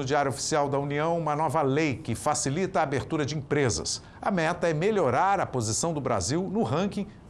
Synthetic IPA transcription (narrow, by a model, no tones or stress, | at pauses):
ʊd͡ʒiaɾjuʊofi̥siawd̪ɐuniɐ̃w̃ũmɐnɔvɐlejkɪfasilit̪ɐaːbeɾt̪uɾɐd͡ʒɪẽpɾezɐ̰s | ɐmɛt̪ɐɛmeʎoɾaɾɐpozisɐ̃w̃d̪ʊbɾa̰ziwnʊɦɐ̃kĩ